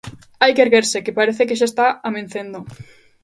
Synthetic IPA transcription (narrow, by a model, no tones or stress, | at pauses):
ajkeɾɣeɾsekepaɾeθekeʃ̬ast̪aamẽn̟θend̪o